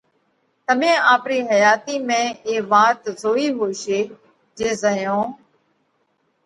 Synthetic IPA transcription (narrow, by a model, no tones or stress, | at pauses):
t̪əmẽːaːpɾiːɦəjaːt̪iːmẽːeːʋaːt̪zoːiːɦoːʃeː | d͡ʒeːzəjõː